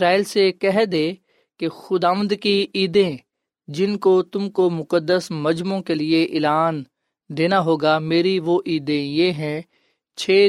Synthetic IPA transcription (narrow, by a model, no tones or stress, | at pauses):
ɾaːiːlsekɛɦd̪eː | kexʊd̪aːʋə̃nd̪kiiːd̪ẽ | d͡ʒɪnkot̪ʊmkomʊkəd̪əsmɐd͡ʒmõkelieʔɪlaːn | d̪eːnaɦoːɡameːɾiʋoʔiːd̪ẽjeːɦɛ̃ | t͡ʃʰeː